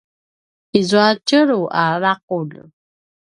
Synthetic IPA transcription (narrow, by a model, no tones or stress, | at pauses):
izuacəɾuʔaɾaq̚ul